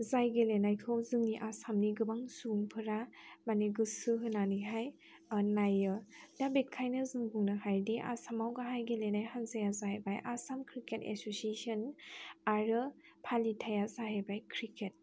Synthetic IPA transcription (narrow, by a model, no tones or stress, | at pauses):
zajɡelenajkʰɯwzɯŋniʔasamniɡɯbaŋsuŋpʰɯɾamaniɡɯsɯɦɯnaniɦaj | najɯdabekʰːajnɯzɯŋbuŋnɯhajdiʔa̰samawɡaɦajɡelenajhanzajazajbajʔasamkʰɾikʰetḛsosiesɔnaɾɯ | pʰalitʰajazaɦajbajkʰɾikʰet̚